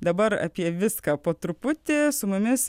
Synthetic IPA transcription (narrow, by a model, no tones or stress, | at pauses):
d̪ɐbɐɾɑ̰ːpʲiɛʋʲɪskɐpoːt̪ɾʊpʊt̪ʲɪsʊmʊmʲɪs